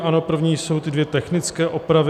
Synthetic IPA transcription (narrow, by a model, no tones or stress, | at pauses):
ʔano̞pr̩vɲiːso̞wt̪ɪdvjɛt̪ɛxnɪt͡skɛːʔopɾavɪ